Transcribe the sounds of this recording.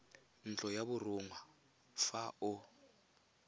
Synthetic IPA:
n̩t͡ɬʼɔjabʊrʊŋwa | faʔʊ

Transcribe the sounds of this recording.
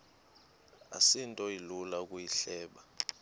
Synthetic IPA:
a̰sintʼɔilulakʼujiɬɛːɓa

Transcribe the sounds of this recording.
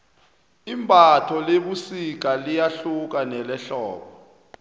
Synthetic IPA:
imbʼʱatʰɔleɓusik̬alijaɬuk̬anɛlɛɬɔ̰ːɓɔ

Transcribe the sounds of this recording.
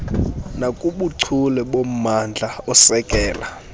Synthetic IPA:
nakʼuɓuǀʰulɛɓom̩mand͡ɮʱaɔsɛkʼɛːla

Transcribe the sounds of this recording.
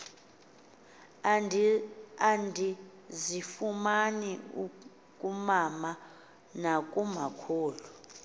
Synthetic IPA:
andʱi | zifumaniu | kʼumama | nakʼumakʰoːlu

